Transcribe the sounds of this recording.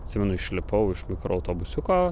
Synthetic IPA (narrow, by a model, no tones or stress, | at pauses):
t̪ʲsʲɪːmʲɛnʊɪʃʲlʲɪpɐʊɪʃmʲɪkɾoɐʊt̪oːbʊsʲʊkoː